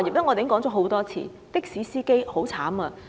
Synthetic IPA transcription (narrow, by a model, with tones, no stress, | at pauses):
ji˨˩t̪ɐ˥ŋɔː˨˧t̪e˨˥ŋkɔː˨˥ŋt͡sɔ˨˥ɦo˨˥wt̪ɔː˥t͡sʰḭː˨˩ | t̪ɪ˥k̚siː˨˥siː˥ke˥jho˨˥wt͡sʰaː˨˥mɐː˧